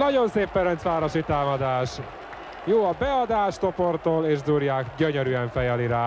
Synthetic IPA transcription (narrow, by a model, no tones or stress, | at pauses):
nɒɟo̞nseːpːɛɾɛnt̪ʋaːɾo̞ʃit̪aːmɒd̪aːʃ | joːɒbɛɒd̪aːʃt̪o̞port̪oːleːʒd̪uːɾjaːkɟøɲøɾyɛɱfɛjɛliɾaː